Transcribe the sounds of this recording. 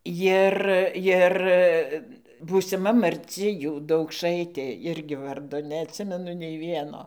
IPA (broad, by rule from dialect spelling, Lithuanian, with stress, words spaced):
ˈjɪr ˈjɪr buːsʲɪˈmɐ mɐrʲˈt͡sʲɪ ˈjuː dɐʊkˈʃɐɪtʲeː ˈɪrʲɡʲɪ ˈʋɐrdoː nʲɛɐtʲˈsʲɪmʲɛnʊ nʲɛɪ ˈʋʲiɛnoː